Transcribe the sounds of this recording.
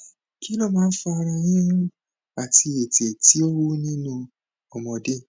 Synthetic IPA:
ki˦lɔ˦˨mãː˦n̩˦fɔ˧a˧ɾ̃ã˧jĩ˦nũ˦ | a˨ti˧e˨te˨ti˨˦o˦wu˦nĩ˦nũ˧ | ɔ˨mɔ̃˨de˦

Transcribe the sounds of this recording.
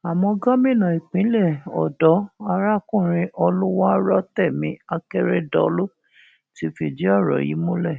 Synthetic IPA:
a˨mɔ̃˧ɡa˦mĩ˦˨nã˨i˨k͡pĩ˨˦lɛ˦˨ɔ̰˨dɔ˨˦a˧ɾa˦˨kũ˦˨ɾ̃ĩ˧ʔɔ˧lu˦wa˦ɾɔ˦tɛ˦˨mĩ˨˦a˧kɛ˦ɾe˦dɔ˨˦lo˦ | ti˧fi˧˨d͡ʒi˦ɔ˦˨ɾɔ̰˨jḭ˨˦mũ˦lɛ˦˨

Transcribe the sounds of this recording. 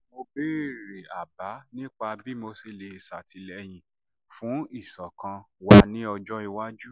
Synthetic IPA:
mo˧be˦˨ɾe˨a˨ba˨˦nĩ˦k͡pa˧bi˦mo˧se˨le˧i˨sa˨tʰi˨˧lɛ˧j̃ĩ˧ | fũ˨˦i˦˨sɔ˨kã˧wa˧˦nĩ˦ɔ˧d͡ʒɔ˦i˧wa˦d͡ʒu˦

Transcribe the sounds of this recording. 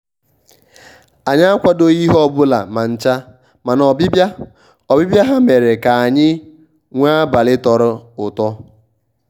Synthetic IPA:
a˨ɲa˦a˦kʷa˦do˦i˦ɦɔ˦bʊ˦la̰˨ma˨n̩˦˨t͡ʃa˦ | ma˨nɔ˨bɪ˦ba˦ | ɔ˨bi˦bja˦ɦa˦me˨ɾe˨ka˨a˨ɲɪ˦ | ŋʷa˦ba˨lɪ˦tɔ˨ɾɔ˦ʊ˨tɔ˦

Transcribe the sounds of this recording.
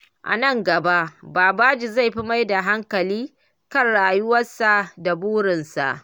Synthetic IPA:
ʔa̰˨nɐ˦˨ŋɡɐ˨ba˦ʔbaː˨baː˦d͡ʒi˨za˦˨jɸi˦ma˦jda˨ɦa˦ŋkɐ˨liː˦ | kɐ˦˨nɽaː˨jʊ˦wɐ˦sa˨ʔda˨buː˦ɽɪ˨nsa̰˨ʔ

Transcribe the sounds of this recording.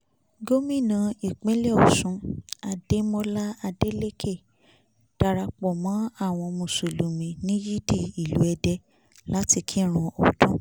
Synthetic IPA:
ɡo˦mĩ˦˨nã˨˦i˨k͡pĩ˨˦lɛ˦˨ɔ˨sũ˧˦a˧de˦mɔ̃˦la˦a˧de˦le˦kʰe˦˨ | d̥a˧ɾa˧k͡pɔ˨mã˨˦a˦˨w̃ɔ̃˧mũ˨su˨lu˨mĩ˨˧nĩ˦ji˦di˦˨i˨lu˨˦ɛ˧dɛ˧ | la˦ti˧kʰi˦˨ɾ̃ũ˧ʔo˨tũ˦

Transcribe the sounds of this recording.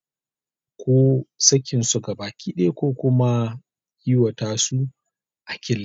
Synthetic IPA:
kʷʰoː˦sɐ˦kʲɪ˨nsʊ˨ɡa˨baː˨kʲiː˦ɗɐ˦e˦kʷoː˦kʷʊ˦ma˦ | jɪ˦wɐ˨taː˦˨su˦ | ʔa˨kʲɪ˦lː

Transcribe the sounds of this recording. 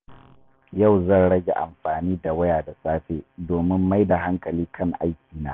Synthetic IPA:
ja˦˨wzɐ˦˨nɽɐ˦ɡʲe˨ʔa̰˨mɸaː˨niː˦da˨wɐ˦jaː˨da˨saː˦ɸeː˦doː˨mɪ˦mːa˦jda˨ɦa˦ŋkɐ˨liː˦kʰɐ˦˨ŋʔa̰˦jkʲiː˨na̰ː˦

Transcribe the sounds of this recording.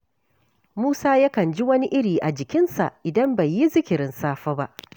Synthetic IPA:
muː˦saː˦ja˦kɐ˨nd͡ʒi˦wɐ˦ni˦ʔɪ˦ɽiː˨ʔa˨d͡ʒɪ˨kʲɪ˦nsa̰˨ʔʔɪ˨dɐ˦mbɐ˨jːi˦zɪ˦kʲɪ˨ɾɪ˨nsaː˦ɸɐː˦ba˦ʔ

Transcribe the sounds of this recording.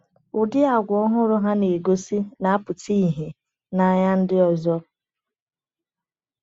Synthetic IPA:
ʊ˨dɪ˦a˨ɡʷɔ˦ɦʊ˦ɾʊ˦ɦa˦ne˨ɡo˦si˦na˨a˦pʊ˨ti˦i˨ɦe˨ | na˨ɲa˦n̩˦dɪ˦ɔ˨zɔ˦

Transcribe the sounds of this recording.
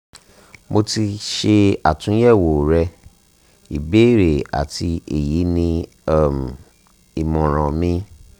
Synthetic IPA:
mo˧ti˧ʃe˧a˨tũ˨˦jɛ˦˨wo˨ɾɛ˧ | i˨be˦˨ɾe˨a̰˨ti˧e˨ji˨˦nĩ˧ | ɛ˦˨m˨ | i˨mɔ̃˨ɾ̃ã˨mĩ˧

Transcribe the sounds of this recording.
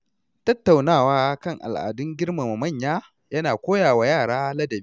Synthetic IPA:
tɐ˦tːa˨wnaː˦˨waː˦kɐ˦˨ŋʔa̰˨lʔa̰ː˨dʊ˦ŋɡʲɪ˦ɽma˨ma˨mɐ˦˨ɲjaː˦ | jɐ˦naː˨kʷoː˦jaː˨wa˨jaː˦˨ɽaː˦lɐ˦dɐ˨b

